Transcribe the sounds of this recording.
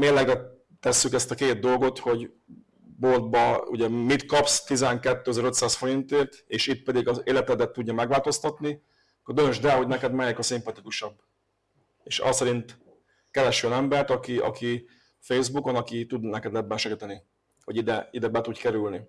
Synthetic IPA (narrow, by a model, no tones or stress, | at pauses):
meːrlɛɡbɛ | t̪ɛsːykɛst̪ɒkeːt̪̚d̪o̞lɡo̞t̪ho̞ɟ | bo̞ld̪̚bɒṵɟɛmit̪kɒpst̪izɛŋkɛt̪ːøːøzɛɾø̞t̪saːsfo̞ɾint̪eːrt̪eːʃit̪̚pɛd̪iɡɒzeːlɛt̪ɛd̪ɛt̪ːuɟːɒmɛɡʋaːlt̪o̞st̪ɒt̪ni | kːord̪ønøʒd̪ɛɦo̞ɟnɛkɛd̪mɛjɛkɒsimpɒt̪ikuʃɒbː | eːʃɒ̰sɛɾint̪ | kɛɾɛʃønɛmbɛrt̪ɒkiɒ̰ki | fejzbukonɒkit̪ud̪nɛkɛd̪lɛbːɛnʃɛɡit̪ɛni | ho̞ɟid̪ɛid̪ɛbɛt̪udkɛɾylni